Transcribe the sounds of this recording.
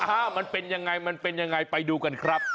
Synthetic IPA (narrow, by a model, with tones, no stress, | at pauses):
ʔaː˧˩ma˧npe˧nja˧ŋa˧jma˧npe˧nja˧ŋa˧jpa˧jduː˧ka˧nkʰɾa˦˥p̚